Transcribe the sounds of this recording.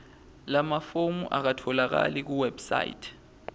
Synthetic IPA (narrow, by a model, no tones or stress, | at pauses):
lamafomuʔak̬atʰɔlak̬a̰lik̬uwɛbsa̰ḭtʰ